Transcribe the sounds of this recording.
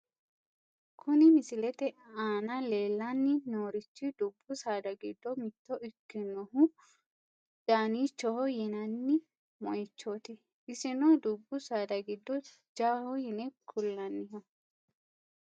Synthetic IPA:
kʰʊnɪmɪsɪlɛt̪ɛaːnɐle̞ːlːɐnːɪnoːɾɪt͡ʃːɪd̪ʊbːʊsaːd̪ɐɡɪd̪ːɔmɪt̪ːɔʔɪkːɪnɔɦʊ | d͡ʒaːniːt͡ʃːɔhɔjɛnɐnːɪ | mɔjɪt͡ʃːoːt̪ɪ | ɪsɪnɔd̪ʊbːʊsaːd̪ɐɡɪd̪ːɔ | d͡ʒaːhɔjɛnɛkʰʊlːɐnːɪɦɔ

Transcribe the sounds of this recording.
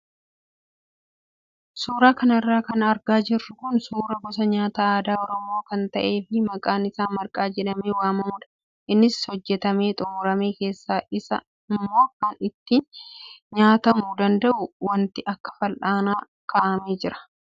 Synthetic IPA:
suːɾaːkɐnɐrːaːkɐnɐɾɡaːd͡ʒɪrːʊkʊnsuːɾɐɡɔs̬ɐɲaːt̪aːaːd̪aːɔɾɔmo̞ːkɐnt̪ɐʔe̞ːfɪmɐkʼaːnɪsaːnmɐɾkʼaːd͡ʒɛᶑɐmeːwaːmɐmʊːᶑɐ̥ | ʔɪnːɪshɔd͡ʒːɛt̪ɐme̞ːt̪ʼʊmʊɾɐme̞ːke̞ːsːaːʔɪsɐ̰ | ɪmːo̞ːkɐnɪt̪ːiːnɲaːt̪ɐmuːd̪ɐnd̪ɐʔʊwɐnt̪ɪʔɐkːɐ̥fɐlʔaːnaː | kʰaːʔɐmeːd͡ʒɪɾɐ̥

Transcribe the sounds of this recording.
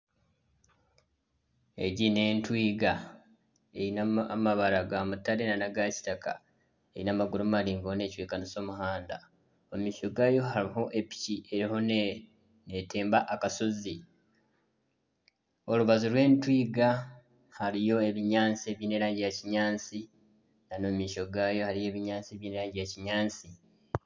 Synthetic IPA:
e̞̰ɟine̞ːntwiːɡa | einamaβaɾaɡamutːalenanaɡaci̥taka̰ | ejinamaɡuɾummaliːŋɡoone̞ːcweːkaniso̞ːmuhaːnda | omumiʃoɡajo̞ɦaɾiho̞ʔe̞pi̥ciʔe̞ɾiho̞n | ne̞te̞ːmbaʔːkasozi | o̞luβazuɾwe̞ːntwiːɡa | haɾijo̞e̞βiɲaːnt͡seβjine̞ɾaːɲɟijaciɲaːnt͡si | nanoːmiːʃo̞ɡaːjo̞haɾijo̞ːβiɲaːnt͡sieβjineɾaːɲɟijaciɲaːnt͡si

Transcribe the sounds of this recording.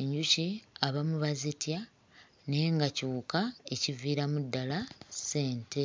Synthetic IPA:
eɲɟuciaβamuβazitja | ne̞ːŋɡacuːkaeciviːɾamudːalase̞ːntʰe

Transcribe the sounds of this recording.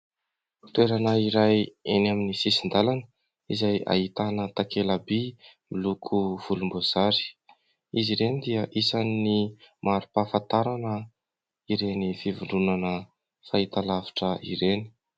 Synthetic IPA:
t̪weɾanaiɾajenaminisisind̪alanə | izaja̰ɦit̪anət̪akelabimilukʰuv̥ulumboz̥aɾi̥ | iziɾenid̪iəʔisanːimaɾupafat̪aɾanə | iɾenifivuɳɖ͡ʐunanə | fait̪alavi̥ʈ͡ʂəḭɾeni̥

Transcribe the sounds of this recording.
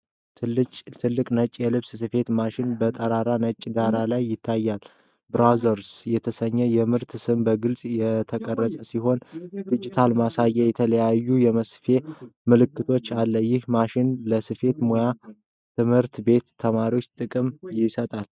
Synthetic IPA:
t̪ʰɨlːɨkʼnət͡ʃʼjɛlɨβssɨfe̞t̪maʃɪnbət̪ʼəɾaɾanət͡ʃʼːd̪aɾalajːɪt̪ʰːajːal | bɾazəɾsjɛt̪ʰəsəɲːɛjɛmɨɾt̪sɨmbəɡɨlsʼjɛt̪ʰəkʼərːəsʼəsiɦo̞nd̪id͡ʒit̪ʰalmasajɛjɛt̪ʰələjajːujɛməsfe̞mɨlɨkːɨt̪ʰo̞t͡ʃːalːəjɪhmaʃɪnləsɨfe̞t̪moja | t̪ʰɨmhɨɾt̪be̞t̪ʰːəmaɾiwo̞t͡ʃːt̪ʼɨkʼɨmjɪsət̪ʼal

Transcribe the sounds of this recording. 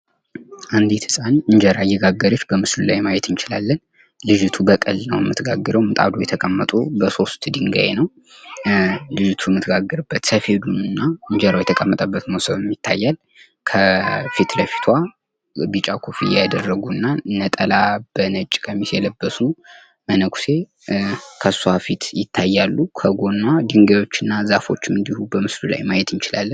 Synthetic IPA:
ʔand̪it̪hɨsʼanɨɲd͡ʒəɾajɛɡaɡːəɾɨt͡ʃːbəmɨslulajmajɛt̪ʰɨnt͡ʃɪlalːən | lɨd͡ʒɨt̪ʰubəkʼɨlnə̰wɛmːɨt̪ʰɡaɡːɨɾəwmɨt̪ʼa̰d̪ojɛt̪ʰəkʼəmːət̪ʼubəso̞st̪d̪ɨŋɡa̰jenəw | lɨd͡ʒɨt̪ʰuɛmːɨt̪ʰɡaɡːəɾɨbːət̪səfe̞d̪unɨnːaɨɲd͡ʒəɾawjɛt̪ʰəkʼəmːət̪ʼəbːət̪mosəβɛmːit̪ʰːa̰jːal | kʰəfit̪ləfi̥t̪ʰwa | bɨt͡ʃʼakʰofijad̪ərːəɡunːanːət̪ʼəlab̥ənət͡ʃʼːɪ̥kʼəmːisjɛləbːəsu | mənəkʰu̥se̞ | kʰəsuhafit̪jɪt̪ʰːajːalːukʰəɡo̞nːad̪ɨŋɡajo̞t͡ʃːɨnːazafo̞t͡ʃːɪmɨnd̪ihubəmɨslula̰jmajɛt̪ɨnt͡ʃɪla̰lːən

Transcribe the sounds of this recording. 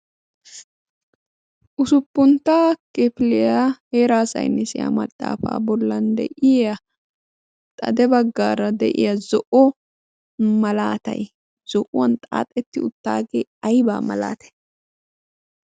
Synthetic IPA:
ʔʊsʊpːʊnt̪ːaːkʼɛpɪlɛjaheːɾaːsɐ̰jnːɛsɪja̰mɐt̪ʼːa̰ːfa̰ːbɔlːɐnd̪ɛ̰ʔɪɐ | t̪ʼɐ̰d̪ɛbɐɡːaːɾɐd̪ɛ̰ʔɪjɐzɔʔɔ | mɐlaːt̪ɐ̰j | z̥ɔʔʊwɐnt̪ʼaːt̪ʼːɛt̪ːɪʊt̪ːaːɡeːɐjbaːmɐ̰la̰ːt̪ɛ̥j

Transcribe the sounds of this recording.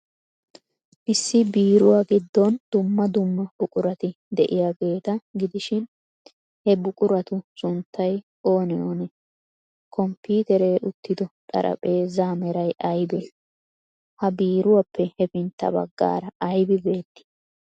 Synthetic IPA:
ʔɪsːɪbiːɾʊwaːɡɪd̪ːɔnd̪̥ʊmːɐd̪ʊmːɐb̥ʊkʼʊɾɐt̪ɪ | d̪ɛʔɪjaːɡe̞ːt̪ɐɡɪd̪ɪʃɪn | hɛbʊkʼʊɾɐt̪ʊsʊnt̪ʰːɐj | o̞ːnɪjoːnɛ | kʰɔmpiːt̪ɛɾe̞ːʔʊt̪ːɪd̪ɔt̪ʼɐ̰ɾʔɐ̰pʼeːzamɛɾɐjʔɐjbɛ | hɐbiːɾʊwapʰːɛhɛfɪnt̪ːɐ̰bɐ̰ɡːa̰ːɾɐʔɐjbɪbe̞ːt̪ːɪ̥

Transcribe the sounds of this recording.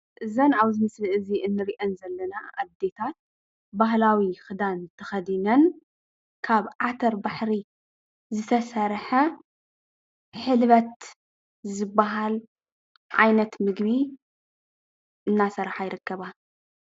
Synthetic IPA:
ʔɨzɐnʔaβzɨmɨslɨʔɨziʔɨnːɨɾiʔɐnzɐlːɐnaʔaβd̪e̞t̪ʰat̪̚ | baɦlawixɨd̪ant̪ʰɐxɐd̪inɐn | kʰaβʕat̪ʰɐɾbaħɾi | zɨt̪ʰɐsɐɾħɐ | ħɨlβɐt̪ | zɨbːaɦal | ʕajnɐt̪mɨɡbi | ʔɨnːasɐɾħajɾɨkːɐβa

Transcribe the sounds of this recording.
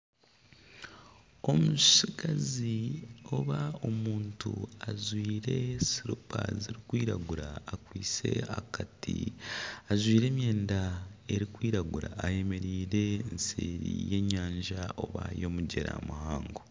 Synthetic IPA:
o̞muʃiɡazio̞βao̞muːnntṵazwiːɾe̞siɾupʰaziɾikwiːɾaɡuɾaːkwiːt͡se̞a̰kati | azwiːɾe̞ːmje̞ːndae̞ɾikwiːɾaɡuɾaːje̞me̞ɾiːɾe̞nseːɾije̞ɲːaːɲʒaʔo̞βa̰jo̞muɟe̞ɾa̰muhaːŋɡo

